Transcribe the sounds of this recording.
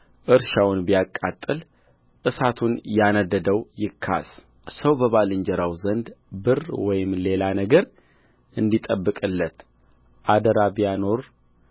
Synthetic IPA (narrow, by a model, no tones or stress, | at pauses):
ʔɨɾʃawnbijakʼːat̪ʼːɨl | ʔɨsat̪ʰunjanəd̪ːəd̪əwjɪkʰːa̰s | səwbəβalɨɲd͡ʒɛɾawzənd̪bɨrwɔjɪmle̞lanəɡəɾ | ʔɨnd̪it̪ʼəbːɨkʼɨlːət̪ | ʔad̪əɾabijano̞ɾ